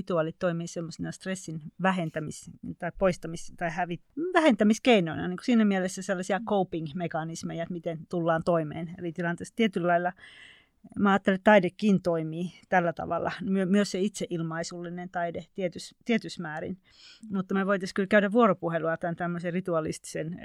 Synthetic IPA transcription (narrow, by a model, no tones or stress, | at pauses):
it̪uɑˑlit̪t̪oimiːsemːosinɑst̪resːinʋæhent̪æmist̪ɑippoist̪ɑmist̪ɑihæʋit̪ʋæhent̪æmiskeinoinɑ̰niːŋkosiːnæmielesːæselːɑsiɑkoupiŋmekɑnismejæet̪mit̪ent̪ulːɑːnt̪oimḛːnḛlit̪ilɑnt̪eːst̪iet̪yllɑilːɑ | mæɑːt̪ːelet̪t̪ɑidekːint̪oimiːt̪ælːæt̪ɑ̰ʋɑ̰lːˑɑ̰nmyømyøsseit̪seʔilmɑisulːinent̪ɑidet̪iet̪yst̪iet̪ysmæːrḭn | mut̪ːɑmeʋoit̪ɑskylkæyɾæʋʋuoropuheluɑt̪ænt̪æmːøserit̪uɑlḭst̪i̥sen